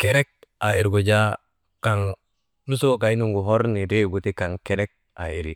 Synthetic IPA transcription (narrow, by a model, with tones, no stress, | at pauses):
keɾe˦k̚ | a˨i˨ɾɡu˨d͡ʒa˦ | ka˨ŋ | nu˦so˦ka˨i˦nu˦ŋɡu˨ɦo˦ɾni˨de˦ɡu˨ti˦ka˨ŋke˦ɾe˦k̚ | a̰˨i˨ɾi